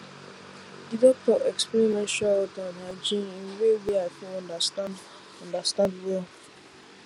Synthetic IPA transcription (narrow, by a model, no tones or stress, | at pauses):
didɔk̚tɔʔekspɛɾimɛ̃nʃaɔtanad͡ʒĩnwewiakiɔ̃ndasta | ɔ̃ndastãndwɛl